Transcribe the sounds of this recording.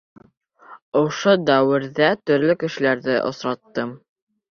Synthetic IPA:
ŏʃod̪æwɘ̆ɾðæt̪ɵ̆ɾlɵkɘ̆ʃɘ̆læɾðɘʔŏ̰sɾɑt̪ːɤm

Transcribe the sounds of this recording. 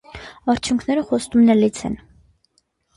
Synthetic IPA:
ɑɾt͡sʰjuŋkʰnɛɾəχɔst̪umnɛlit͡sʰɛ̰n

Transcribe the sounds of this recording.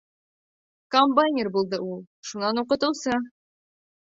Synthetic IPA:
kombajnʲɪrbulˠd̪ɤulˠ | ʃunɑnuqɤ̆t̪ɤ̆wsɤ

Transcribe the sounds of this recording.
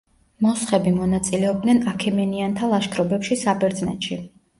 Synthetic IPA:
mɔsχɛbimɔnat̪sʼilɛɔb̚d̪nɛnakʰɛmɛniant̪ʰalˠaʃkʰɾɔbɛpʃisabɛɾd̪znɛ̰t̪ʃi

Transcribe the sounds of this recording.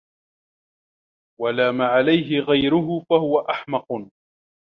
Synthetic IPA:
walaːmaːʕalajɦɪɣajɾʊɦʊfahʊwaʔaħmɑq

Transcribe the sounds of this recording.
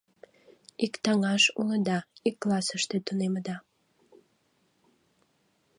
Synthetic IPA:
ikt̪ɑŋɑʃṵləd̪ɑikːlɑsəʃt̪et̪uneməd̪ɑ

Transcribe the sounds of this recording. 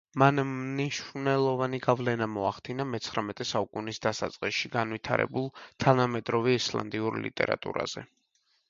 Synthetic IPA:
manniʃɾnɛlˠɔvaniɡavlɛnamɔaχd̪̥inamɛt̪sʰχɾamɛt̪ʼɛsaukʼunisd̪asat̪sʼqʼiʃiɡanvit̪ʰaɾɛ̰bulˠt̪ʰanamɛd̪ɾɔviɛslˠa̰nd̪iuɾlḭt̪ʼɛ̰ɾa̰t̪ʼṵɾa̰z̥ɛ̰

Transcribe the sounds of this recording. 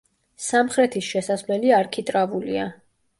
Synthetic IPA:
samχɾɛt̪ʰisʃɛsasvlɛliaɾkʰit̪ʼɾavulḭa

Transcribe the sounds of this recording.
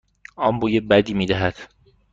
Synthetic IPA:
ɒːmbuːjebæd̪iːmiːd̪æɦæd̪̥

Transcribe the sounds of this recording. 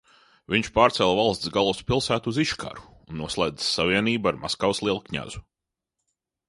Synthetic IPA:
viɲt͡ʃpaːɾt̪sɛlˠvalˠst̪sɡalˠuspilˠsæːt̪uziʃkʰa̰ɾu̥ːnːuɔslˠajd̪sːaviɛniːbaɾmaskawslˠiɛlˠkɲa̰z̥u

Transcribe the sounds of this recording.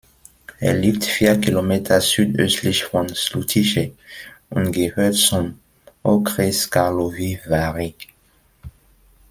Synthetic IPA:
ɛ̰lːift̪fjɛkilomɛt̪χasyd̪ø̰sliʃfʁɔ̃nslut̪ʰiʃeũnɡehødsɔ̃m | okʁeskaʁlovivaʁi

